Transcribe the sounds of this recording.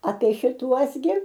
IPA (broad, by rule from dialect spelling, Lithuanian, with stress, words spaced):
ɐpʲiɛ ʃʲɪˈtuɔs ɡʲɪ